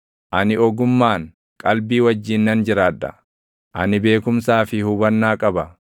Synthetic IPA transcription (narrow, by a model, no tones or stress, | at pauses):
ʔɐnɪɔɡʊmːaːŋ | kʼɐlbiːwɐd͡ʒːiːnːɐnd͡ʒɪɾaːᶑɐ̰ | ʔɐ̰nɪbe̞ːkʊmsaːfɪhʊbɐnːaːkʼɐbɐ